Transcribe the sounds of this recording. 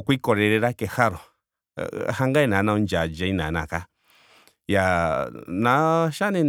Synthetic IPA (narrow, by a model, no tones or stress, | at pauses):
kʷikoɾeɾeɾakehaɾo | haŋɡainãnãũnd͡ʒad͡ʒeinã̰nãka | janãʃanẽ